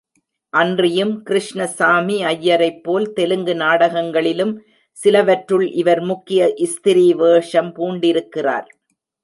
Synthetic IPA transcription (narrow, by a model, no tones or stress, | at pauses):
ʔɐndrɪjɯmkɪɾɪʂɳɐsaːmiɐjːɐɾɐɪpːoːlt̪ɛlɯŋɡɯnaːɽɐɣɐŋɡɐɭɪlɯm | sɪlɐʋɐʈɾɯɭʔɪʋɐɾmʊkːɪjɐʔɪst̪ɪɾiʋeːʂɐmpuːɳɖɪɾɯkːɪra̰ːɾ